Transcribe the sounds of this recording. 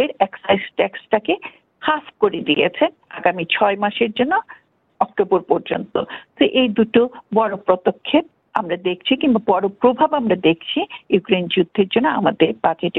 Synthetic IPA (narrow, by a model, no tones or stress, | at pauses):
eɾɛksajsʈɛksʈake | hafkoɾed̪ijḛt͡ɕʰen | aɡamit͡ɕʰɔemaʃeɾd͡ʑonːo | ɔkʈoboɾpɔɾd͡ʑont̪o̰t̪eʔejd̪uʈobɔɾopɾot̪okʰːep̚ | amɾad̪ek̚ʰt͡ɕʰikimbabɔɾopɾobʱabamɾad̪ekʰt͡ɕʰijukɾend͡ʑud̪ʱːeɾd͡ʑonːoa̰mad̪eɾbad͡ʑeʈ